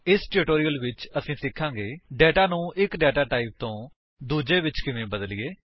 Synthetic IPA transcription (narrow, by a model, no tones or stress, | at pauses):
ɪsʈɪːʈoːɾijəlʋɪt͡ʃəsĩːsɪkʰːãːɡeːɖɛːʈaːnũːʔɪkɖɛːʈaːʈaːip̚t̪õː | d̪uːd͡ʒeːʋɪt͡ʃkɪʋẽːbəd̪əlɪjeː